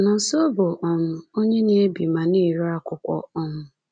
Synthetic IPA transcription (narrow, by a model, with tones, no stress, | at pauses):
nɔ˨so˦bo˨ʔɔ˦mʊ˦o˦ɲe˦ni˦e˦bi˨ma˨ni˦˨ɾu˦a˦kʷʊ˦kʷɔ̰˦ɔ˦mʊ˦